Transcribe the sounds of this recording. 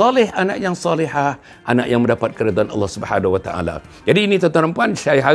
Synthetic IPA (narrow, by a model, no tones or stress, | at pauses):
ɑlɪhanaʔjaŋsɑlihah | ʔanaʔjaŋmə̃ndapat̪̚kəɾad̪aanɑ̰lːɑhsubħanawat̪aʔa̰la̰ | d͡ʒadiːnit̪ɔnt̪aɾəmpuanʃajɦa